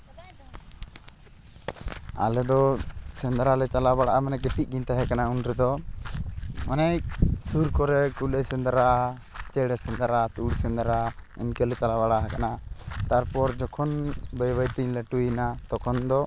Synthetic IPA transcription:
a̰lɛd̪ɔsɛnd̪ɾalɛt͡ʃalabaɽaʔamanɛɡɛʈic̚ˀɡiɲt̪aɦɛkanaunɾɛd̪ɔ | manajsuɾkɔɾɛkulɛsɛ̃nd̪aɾaʔ | t͡ʃɛɽɛsɛnd̪aɾat̪uɽsɛ̃nd̪aɾaḭnkɛlɛt͡ʃalaβaɽaʔɦɛkanat̪aɾpɔɾd͡ʒɔkʰɔnbɛjbajt̪iɲlɛʈujnat̪ɔkʰɔnd̪ɔ

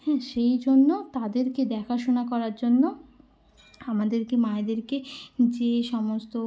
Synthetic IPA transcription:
hɛʃejd͡ʑonːot̪ad̪eɾked̪ɛkʰaʃonakɔɾaɾd͡ʑonːo | amad̪eɾkemaed̪eɾked͡ʑeʃɔmost̪o

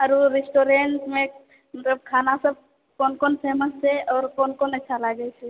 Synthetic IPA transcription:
əɾuɾesʈoɾeɳʈmẽ | mɐt̪ləb̚kʰaːnasəb̚ | kɔːnkɔnpʰeːməst͡ʃʰɛɔːɾkɔːnkɔnətːʃʰalaɡət͡ʃʰɛ

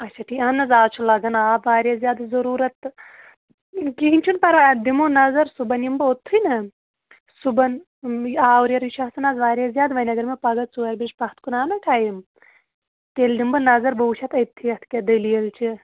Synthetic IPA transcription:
ɐt͡ʃʰɐʈʰiɐnːɐzaːt͡ʃʰulɐɡɐnaːʋaːɾjezjaːd̪zɐɾuːɾɐt̪ | kiɦinʲt͡ʃʰunpɐɾʋad̪imonɐzɐɾsubɐnjimbɨot̪ʰːujnɨ | subɐn | aːwuɾjɐɾit͡ʃʰɐsɐnɐːzʋaːɾezʲjaːd̪ʋɐnʲɐɡɐɾmepɐɡɐt͡suɐɾbiʃpɐht̪ʰkunaːnɐʈʰaːjim | t̪eːld̪imbɨnɐzɐɾbɐwut͡ʃʰɐt̪ɐt̪ʰːijɐt̪ʰkʲed̪ɐlijelt͡ʃʰi

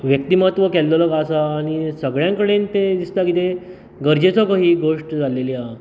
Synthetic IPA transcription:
ʋjək̚t̪imat̪ʋəkɛlːələkasaːɽ̃isəɡɭjãŋkəɽent̪ed̪ist̪akit̪e | ɡəɾd͡ʑet͡sɔkəɦiːɡoʂʈd͡zalelia

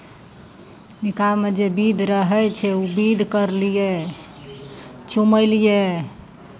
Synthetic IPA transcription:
nikamed͡ʒebid̪ʱɾəɦɛjt͡ʃʰɛubid̪ʱkəɾlije | t͡ʃuməlije

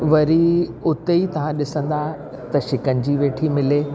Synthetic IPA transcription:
ʋɐɾiʊt̪eit̪ɐʋ̤ãɗɪsə̃nd̪a | t̪ɐʃɪkənɪ̆d͡ʑiːʋeːʈʰimɪleː

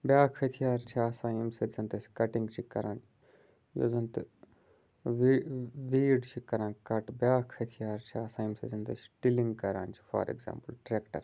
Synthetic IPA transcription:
bjaːkʰhɐt̪ʰijaːɾt͡ʃʰiaːsãːimsezɐnt̪esi̥kɐʈiŋɡt͡ʃʰikɐɾãːn | jo̰ːzɐnt̪ɨ | ʋiʋiːɖt͡ʃʰikɐɾãːnkɐʈbjaːkʰhɐt̪ʰijaːɾt͡ʃʰiaːsãːimsezɐnt̪et͡ʃʈiliŋɡkɐɾa̰ːnt͡ʃʰi̥fa̰ːɾḛɡzã̰ːmpəlʈɾeːkʈɐ̰ɾ

